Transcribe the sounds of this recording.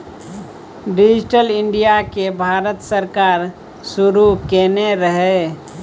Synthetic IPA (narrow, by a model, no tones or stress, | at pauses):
ɖid͡ʒʈəlɪɳɖijakebʱaːɾət̪səɾkaːɾ | suɾukeneɾəɦe